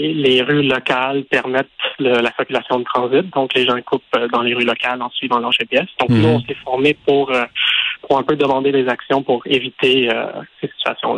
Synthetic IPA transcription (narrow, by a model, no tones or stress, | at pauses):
leʁylɔkalpɛʁmɛt̪ləlasɪkʲylasjɔ̃d̪ət̪χɑ̃zɪt̪̚d̪ɔ̃kleʒɑ̃kʰupød̪ɑ̃leʁylɔkalɑ̃sɥivɑ̃lɑʁʃepjɛsd̪ɔ̃knuɔ̃sɛfɔʁmepuʁøpuʁɛ̃pød̪əmɑ̃d̪ed̪ezaksjɔ̃puʁevit̪eø̰sesi̥t̪ɥa̰sjɔ̰̃la